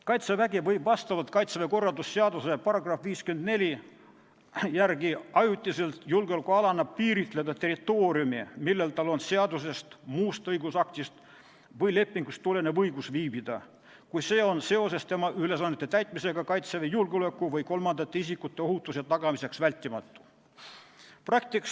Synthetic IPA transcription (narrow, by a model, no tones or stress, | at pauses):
kɑjt̪sevæɡevɤjbvɑst̪ɑvɑt̪kɑjt̪seveko̞rːɑld̪usːeɑd̪usepɑɾɑɡ̥rɑfviːskyend̪ne̞lʲi | jærɡiɑjut̪ʲːˑiselt̪julɡeolkuɑlɑnːɑb̚piːɾit̪ˑle̞d̪̥ɑt̪erit̪ːo̞ːɾiumimilːe̞lt̪ɑlo̞nseɑd̪us̬e̞st̪muːst̪ɤjɡusɑk̚t̪ist̪ | vɤjle̞pˑːiŋɡ̥ust̪ːule̞nevɤjɡ̥usviːbid̪̥ɑ | kujse̞ːo̞nse̞o̞se̞st̪e̞mɑʔyle̞sɑnːet̪ːet̪æjt̪ˑmise̞ɡ̥ɑkɑjt̪sevejulɡeolekːˑuvɯjko̞lmɑnd̪̥ɑt̪ːe̞isikut̪ːe̞o̞hut̪ˑːusjɑt̪ɑɡ̥ɑmise̞ksvælʲt̪ʲːˑimɑt̪ːˑu̥ | prɑk̚t̪iks